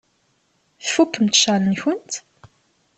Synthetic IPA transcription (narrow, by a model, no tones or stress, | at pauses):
θfukːəmt̪ʃalənçənt̪